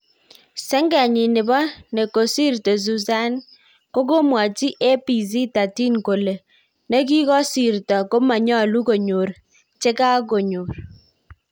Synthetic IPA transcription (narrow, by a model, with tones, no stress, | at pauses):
sɛ˦ŋɡa˨ɲɪ˨nɪ˨bɔ˦ne˨ko˨si˦˨ɾto˨z̬u˨za˦n | ko˦ko˦mwa˨t͡ʃi˦ʔe˦pi˨z̬i˦ta˨ti˦nko˨le˨ | ne˦k̬i˦kɔ˦si˨ɾtɔ˨ko˦ma˨ɲɔ˦˨lu˦ko˨ɲo˨ɾ | t͡ʃe˦ka˦k̬o˨ɲo˨ɾ